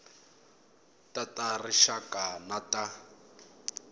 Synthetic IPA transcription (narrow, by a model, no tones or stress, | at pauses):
tʼatʼariʃakʼanatʼa